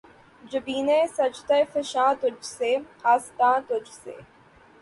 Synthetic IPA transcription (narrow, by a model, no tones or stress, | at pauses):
d͡ʒəbiːnesɐd͡ʒt̪ɐfɪʃãːt̪ʊd͡ʒseːaːst̪ãːt̪ʊd͡ʒsḛː